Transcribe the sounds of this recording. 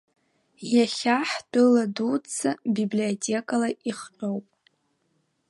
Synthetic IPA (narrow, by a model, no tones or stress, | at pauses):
jaχʲaħdɨladut͡sʰabibliotʲʰʼekʼalaiχt͡ʃʷʼowpʼ